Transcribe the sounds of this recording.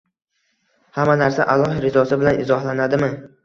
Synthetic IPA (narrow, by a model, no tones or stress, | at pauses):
hamanaɾsaʔalˠːɒhɪɾɪzɒsɪbɪlanɪzɒhlanad̪ɪmɪ